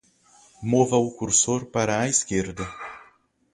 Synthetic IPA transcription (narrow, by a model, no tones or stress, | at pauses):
movɐukuɾsoɾpaɾɐːiskeɾd̪ɐ